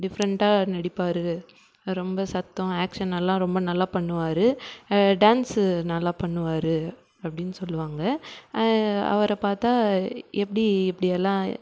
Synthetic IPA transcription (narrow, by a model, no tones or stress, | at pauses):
ɖɪfɐɾɐɳʈaːnɛɽɪpːaːɾɯ | ɾɔmbɐsɐt̪ːɔ̃aːkʂɐnɛlːãːɾɔmbɐnɐlːaːpɐɳːɯʋaːɾɯɖaːnsnɐlːaːpɐɳːɯʋaːɾɯ | ɐpːɐɽɪnːɯsɔlːɯʋaːŋɡɐ | ɐ̰ʋɐɾɐpaːɾt̪aːɛpːɐɽiɛpːɐɽɪjɛlːãː